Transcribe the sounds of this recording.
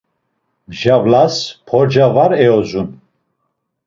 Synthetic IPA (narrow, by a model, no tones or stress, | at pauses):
ʒavlaspʰɔɾd͡ʒavaɾɛɔzun